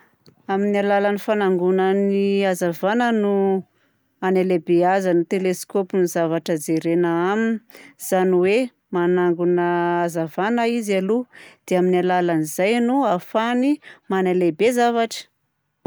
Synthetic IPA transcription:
aminialalanifanaŋɡunəniazavanənu | anelebeazanit̪eleskopinizavaʈ͡ʂəd͡zeɾenaaminiz̥aniwe | manaŋɡunəːzavanəizalud̪̥eaminalalanizajnuafanimanalebezavaʈ͡ʂə̥

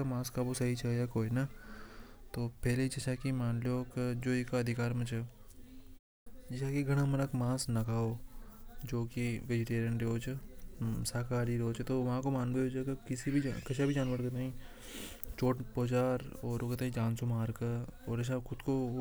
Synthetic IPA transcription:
amãːskabosɐɦit͡ʃʰɐjakoːina | t̪oːpɛːleid͡ʒɐʃʰakimaːnloːkd͡ʒoːikaɐd̪ʱɪkaːɾmɐ̃t͡ʃe | d͡ʒɪsakiɡɐɽ̃amɐnəkmãːsnɐkaːo | d͡ʒoːkiʋed͡ʒɪʈeːɾjə̃ɳʈɾoːt͡ʃesaːkaːɾiɾoːt͡ʃt̪oʋɐɦãkomaːnbeod͡ʒkakɪsibʱid͡ʒ̰kɐt͡ʃʰabʱid͡ʒaːnʋəɾkɐt̪aːɦĩ | t͡ʃoːʈpoːt͡ʃaːɾɔːɾokət̪̬aːɦĩd͡ʒãːnsomaːɾkaɔːɾɐt͡ʃʰaxʊd̪ko

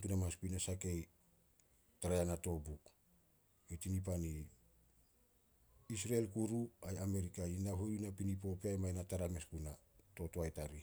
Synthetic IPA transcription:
tunamaaspujnasake̞j | taɾajanato̞buk | etinip̬ani | is̬ɾaelkuɾuajame̞ɾikainaɦojɾunapinipo̞peajmajnataɾameskunato̞toajtaɾi

